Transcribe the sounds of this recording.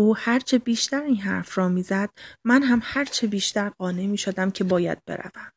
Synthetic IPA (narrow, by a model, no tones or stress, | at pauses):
uːhæɾt͡ʃʰe̞biːʃt̪æɾiːnɦæ̰ɾfɾɒːmiːzæd̪̥̚mænɦæmhæɾt͡ʃʰebiːʃt̪æɾɢɒːne̞miːʃod̪æmcʰe̞bɒːjæ̰d̪̚bḛɾæ̰væm